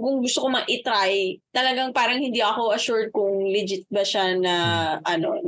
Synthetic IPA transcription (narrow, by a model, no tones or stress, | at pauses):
kʊŋɡʊst̪okomɐʔɪt̪ɾajt̪ɐlɐɡaŋpaːɾɐŋhɪnd̪iʔɐko̞ʔɐʃʊɹd̪̚kʊŋlɪd͡ʒɪt̪̚bɐʃanɐʔɐno̞